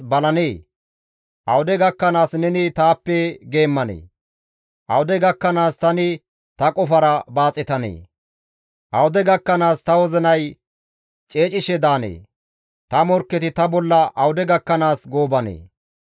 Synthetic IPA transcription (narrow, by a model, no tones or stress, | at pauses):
bɐlɐneː | ʔɐwʊd̪ɛɡɐkːɐnaːsnɛnɪt̪aːpːɛɡe̞ːmːɐnḛː | ʔɐwʊd̪ɛɡɐkːɐnaːst̪ɐnɪ | t̪ɐkʼɔfɐɾɐbaːt͡sʼɪt̪ɐnḛː | ʔɐwʊd̪ɛɡɐkːɐnaːst̪ɐwɔzɪnɐj | t͡ʃʼe̞ːt͡ʃʼɪʃɛd̪aːnḛː | t̪ɐmɔɾkːɛt̪ɪt̪ɐbɔlːɐʔɐwʊd̪ɛɡɐkːɐnaːsɡoːbɐnḛː